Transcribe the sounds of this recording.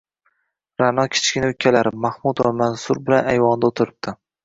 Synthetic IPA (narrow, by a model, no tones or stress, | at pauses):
ɾanɒkʲʰɪ̥t͡ʃkʲɪnʊkʲʰːalaɾɪmahmud̪vamansʊɾbɪlanajvɒnd̪aot̪ʰɪɾɪp̚d̪̥ɪ